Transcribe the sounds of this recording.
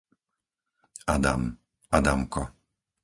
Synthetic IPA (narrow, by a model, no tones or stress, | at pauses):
ad̪a̰m | ad̪amkɔ